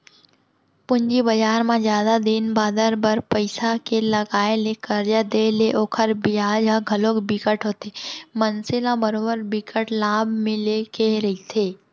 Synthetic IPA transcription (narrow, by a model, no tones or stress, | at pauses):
pʊɲd͡ʒibəd͡ʒaːɾmãzjaːd̪ad̪ɪnbaːd̪əɾbəɾpəɪsakelɐɡaːelekəɾd͡ʒad̪eːleʔoːkʰəɾbɪjaːd͡ʒaɡʱɐloːkbikəʈɦoːt̪emənsɪlãbəɾoːbəɾbɪkəʈlaːbʱmɪ̃lekeɾɐɦit̪ʰeː